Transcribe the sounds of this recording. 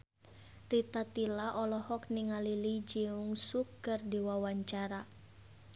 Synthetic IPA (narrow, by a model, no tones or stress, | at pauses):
rit̪at̪ilaʔɔlɔhɔk̚niŋalilid͡ʒiuŋsukːɨrdiwawaɲt͡ʃaɾa